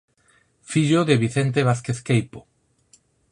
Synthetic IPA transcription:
fiʎoðeβiθent̪̬eβ̞aθkeθkejpo̥

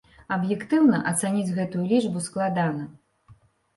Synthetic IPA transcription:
ɐbjɛkt̪ɨwnɐ̰ʔɐt̪sanʲid͡zʲɣɛt̪ujulʲiʐbusklˠad̪anɐ

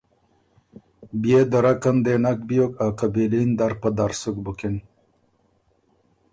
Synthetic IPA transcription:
bjed̪əɾakand̪enak̚bijokaqabilind̪aɾpəd̪aɾsukbəkin

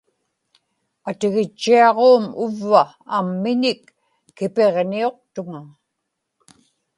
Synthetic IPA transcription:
at̪ɪɣɪt͡ʃːiɑʁoːmʊvːaː | mːɪnɪkː | ɪpe̞ʁnio̞q̚t̪ʊŋa

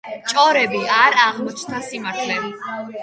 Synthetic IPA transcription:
t͡ʃʼɔɾɛbiaɾaʁmɔt͡ʃʰnt̪ʰasimaɾt̪ʰlɛbi

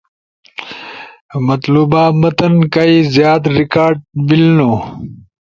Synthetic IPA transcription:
mɐt̪luːbaːmɐt̪ɐnkaizjaːt̪ɾikaːɾɖbilnoː

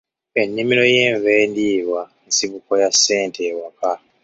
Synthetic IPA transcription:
e̞nːimilo̞je̞ːɱve̞ːndiːβwa | nsiβuko̞jasːe̞ːntʰe̞ːwaka

